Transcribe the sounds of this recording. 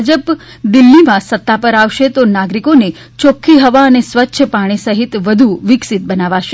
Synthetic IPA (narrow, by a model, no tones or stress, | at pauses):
d͡ʒəp | d̪ɪlːimãsət̪ːapəɾaʋʃet̪onaɡɾikone | t͡ʃokʰːiɦəʋaənesʋətːʃʰəpaɽ̃isəɦit̪ʋəd̪ʱuʋɪksit̪̚bənaʋaʃe